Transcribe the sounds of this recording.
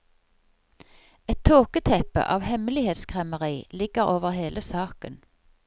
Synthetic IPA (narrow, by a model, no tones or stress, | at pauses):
ɛt̪ʰoːkət̪ʰɛpə̰ʔɑːʋhɛmlɪheːt̪skʰʁɛməʁiːlɪɡəʁoːʋəʁheːləsɑːkən